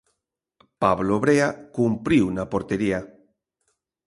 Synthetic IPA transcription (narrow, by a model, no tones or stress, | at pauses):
paβloβɾeakumpɾiwnapoɾt̪eɾia